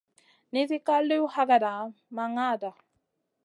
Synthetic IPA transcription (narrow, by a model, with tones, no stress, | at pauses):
ni˦ði˦ka˦li˦u˦ha˦ɡa˨da˨˦ma˨ŋa˦˨da˨